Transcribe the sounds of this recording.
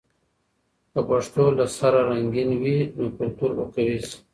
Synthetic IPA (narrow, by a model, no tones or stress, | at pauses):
k̪əpaʂt̪olasaɾaɾaŋɡinwinokʊlt̪uɾokawis